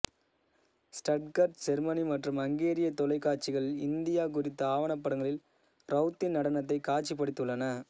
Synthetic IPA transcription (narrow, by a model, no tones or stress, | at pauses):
sʈɐʈ̚kɐɾʈd͡ʒɛɾmɐnimɐʈrɯmɐŋɡeːɾɪjɐt̪ːɔlɐɪkːaːɾt͡ʃɪɣɐɭɪnd̪ɪjaːkʊɾɪt̪ːɐaːʋɐɳɐpːɐɽɐŋɡɐɭɪl | ɾʔɐʊt̪ːɪnnɐɽɐnɐt̪ːɐɪkaːt͡ʃːipːɐɽɪt̪ːɯɭːɐnɐ